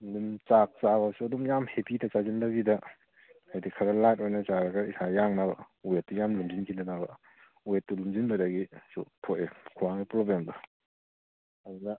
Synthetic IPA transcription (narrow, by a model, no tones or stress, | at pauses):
ndumt͡ʃak̚t͡ʃabasuɐduŋjamhepidɐt͡ʃazindɐbidɐ | ajdikʰɐɾɐlajt̚ojnɐt͡ʃaɾɐɡɐisajaŋnabɐ̰ | ujet̚ːujamlumd͡ʒinkʰinɐnabɐ | ujetːulumzinbɐdɐɡisṵtʰotekʰuwaŋipɾoblemdɐ | ɐdunɐ